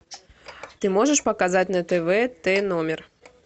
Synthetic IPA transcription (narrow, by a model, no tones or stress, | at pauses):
t̪ɨmɔʐəʂpɐkazat͡sʲnɐt̪ɛvɛt̪ɛnɔmʲɛr